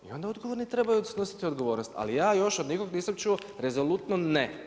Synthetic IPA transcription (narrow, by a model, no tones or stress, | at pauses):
ḭo̞nd̪ao̞d̪ɡo̞ʋoɾnit̪ɾe̞bajud̪asno̞si̥t̪io̞d̪ɡoʋo̞ːɾnost̪a̰lijaːjo̞ʃod̪niko̞ɡniːsamt͡ʃuoɾezolut̪none